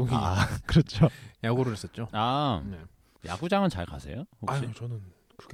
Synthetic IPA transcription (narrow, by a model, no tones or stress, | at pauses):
oɡikɯɾʌt͡ɕʰojaɡoɾɯɭɦes͈ʌt̚t͡ɕ͈oane | ja̰ɡud͡ʑaŋɯnt͡ɕa̰ɭka̰sʰe̞johokaɕit͡ɕʌnɯn | kɯk